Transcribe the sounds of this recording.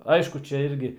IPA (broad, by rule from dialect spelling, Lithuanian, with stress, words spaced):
ˈɐɪʃkʊ ˈt͡ʃʲɛ ˈɪrʲɡʲɪ